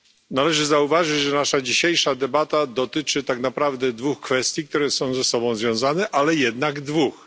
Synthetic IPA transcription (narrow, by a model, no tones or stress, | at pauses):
nalɛʐɘzauvaʐɘt͡ɕʐɛnaʂad͡ʑiɕejʂad̪ɛbat̪ad̪ɔt̪ɘt͡ʂɘt̪aknapɾavd̪ɛd̪vuxkfɛst̪ʲjik̚t̪uɾɛsɔ̃w̃zɛsɔbɔ̃w̃zvʲjɔ̃w̃zanɛʔalɛjɛd̪̚naɡd̪vux